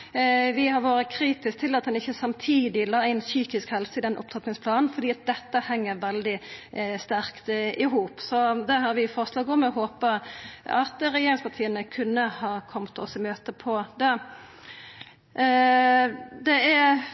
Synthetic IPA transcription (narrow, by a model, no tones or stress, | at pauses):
ʋɪhɑɾʋoːɾəkʰɾiːt̪ɪsk̚t̪ʰɪlːɑt̪̚d̪ɛnɪçːəsɑmt̪ʰiːd̪ɪlɑːæɪnsyːkɪskhɛlsəɪd̪ɛnʔʊ̰p̚t̪ʰɑt̪nɪŋsplɑːnn̩fɔɾd̪iːɑt̪̚d̪ɛt̪ːəhɛŋːəɾʋɛld̪ɪst̪æɾkt̪ɪɦuːpsɔd̪ɛhɑɾʋɪfɔɾslɑːɡɔmɛɔɦoːpəɑt̪ɾɛjeːɾɪŋspɑt̪ʰiːənəkʰʉnːəhɑːkʰɔmt̪ʰɔ̰sɪmøːt̪əpʰɔd̪ɛ | d̪ɛæ